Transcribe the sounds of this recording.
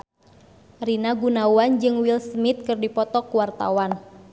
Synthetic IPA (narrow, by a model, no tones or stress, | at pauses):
rinaɡunawand͡ʒɨŋwilsmit̪̚kɨrdipɔt̪ɔkuwart̪a̰wan